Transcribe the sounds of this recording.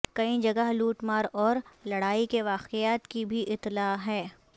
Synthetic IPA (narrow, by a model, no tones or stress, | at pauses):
kɐĩd͡ʒɐɡəɦluːʈmaːɾɔːɾlɐɽaːikeʋaːqejaːt̪kibʱiʔɪt̪laːɦɛː